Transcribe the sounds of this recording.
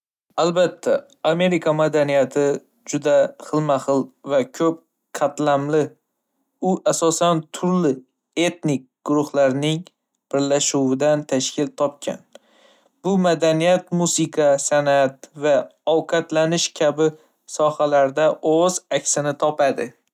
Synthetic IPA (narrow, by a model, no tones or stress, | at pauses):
albat̪ʰːa | ame̞ɾikʰamad̪anijat̪ʰɪ | d͡ʒʊd̪aχɨlˠmahɨlˠvakʲʰɵp̚ | qʰat̪lamlɪ | ʊʔasɒsant̪ʰʊɾlɪ | e̞t̪nɪk̚ʲɡ̥ʊɾʊhlaɾnɪŋ | b̥ɪɾlaʃuwɪd̪ant̪ʰaʃkʲʰɪlt̪ʰɒp̚kʲʰa̰n | b̥ʊmad̪anijat̪musɨqʰɑsanat̪vaɒwqʰɑt̪lanɪʃkʲʰabɪ | sɒhalaɾd̪aʔozakʲsɪnɪt̪ʰɒpad̪ɪ